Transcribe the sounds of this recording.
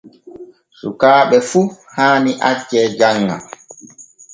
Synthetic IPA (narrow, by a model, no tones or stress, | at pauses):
sukaːɓɛfu | haːniʔat͡ʃːɛːd͡ʒaŋːa̰